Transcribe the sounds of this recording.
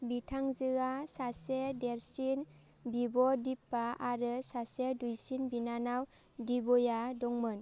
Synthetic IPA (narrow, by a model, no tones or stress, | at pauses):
bitʰaŋzɯɡasasedeɾsin | bibɔdipːaaɾɯsasedujsinbinanaw | dibɔjadɔŋmɯn